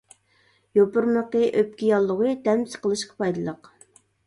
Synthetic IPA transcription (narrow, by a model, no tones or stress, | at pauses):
jopʊɾməqəʔøp̚kʲijɑlˠːʊʁɨd̪ɛmsə̥qəlˠɨʃqɑ̥pʰɑjd̪ɨlˠəq